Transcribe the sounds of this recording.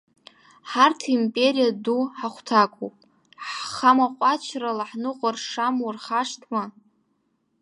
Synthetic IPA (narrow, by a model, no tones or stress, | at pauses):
ħartʰimpʼe̞ɾijaduħaχʷtʰakʷʰʼopʼ | ħχamaqʷʼat͡ʃʰralaħnɨqʷʼarʂamurχaʂtʰma